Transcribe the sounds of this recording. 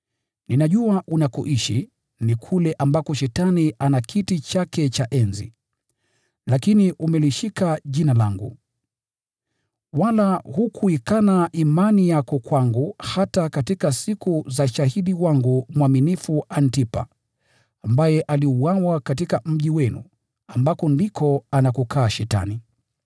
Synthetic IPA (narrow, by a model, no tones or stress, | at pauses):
ninaʄuaʔunakuʔiʃi | nikʰulɛʔambakɔʃɛtaniʔanakʰitit͡ʃakɛt͡ʃaʔɛnzḭ | lakiniʔumɛliʃikaʄinalaŋɡṵ | walahukʰuikanaʔimanijakɔkwaŋɡuhatakatikasikuzaʃahiɗiwaŋɡumwaminifuantipa̰ː | mbajɛʔaliuwawakatikam̩ʄiwɛnṵ | ambakɔndikɔanakukʰaːʃɛta̰ni